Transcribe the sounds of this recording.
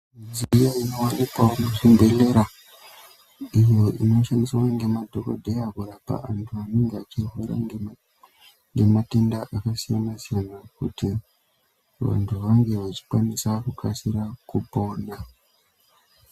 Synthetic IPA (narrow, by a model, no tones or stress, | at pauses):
zijaino̞wanikwamuʐimbe̞le̞ɾa | ijo̞ʔḭno̞ʃandiswaŋɡe̞madʱoko̰dʱeaɡʱuɾapa̰ʔantʰuaneŋɡat͡ʃirɦeɾa̰ | ŋɡe̞matendaʔakasijanasijanakuti | ʋa̰ntʰuʋaŋɡe̞ʋat͡ʃi̥kwanisakukasiɾakupo̞ːna